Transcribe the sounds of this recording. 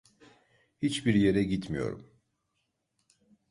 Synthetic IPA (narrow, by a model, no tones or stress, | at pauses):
hit͡ʃbiɾje̞ɾɛɟit̪mijo̞̰ɾṵm